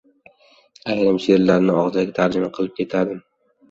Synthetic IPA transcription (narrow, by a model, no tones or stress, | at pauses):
ajɾɪmʃɪeɾlaɾnɪɒʁzaɡʲat̪ʰaɾd͡ʒɪmaqʰɨlˠɪp̚kʲʰe̞t̪ʰad̪ɪm